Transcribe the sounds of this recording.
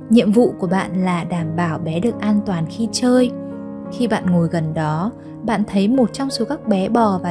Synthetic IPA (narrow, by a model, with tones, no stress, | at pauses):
ɲḭ˧˨əmvṵ˧˨ku˧˩əɓa̰ː˧˨nlaː˨˩ɗaː˧˩mɓaː˧˩wɓɛ˨˦ɗɨ˨˩ək̚ʔaː˧nt̪waː˨˩nxi˧t͡ɕəː˧j | xi˧ɓa̰ː˧˨nŋo˨˩jɣə˨˩nɗɔ˨˦ | ɓa̰ː˧˨nt̪ʰə˨˦jmo˨˩t̚t͡ɕɔ˧wŋ͡mso˨˦kaː˦˥k̚ɓɛ˨˦ɓɔ˨˩vaː˨˩